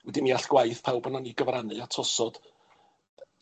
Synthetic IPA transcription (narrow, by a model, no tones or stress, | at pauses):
wɛdimiaɬɡ̥wajθpʰawbənɔniɡəvranɨatʰɔsɔd̥